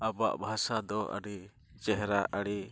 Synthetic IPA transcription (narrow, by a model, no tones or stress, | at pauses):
abaʔbʱasad̪ɔʔə̰ɾi | t͡ʃɛɦɾaʔəɽi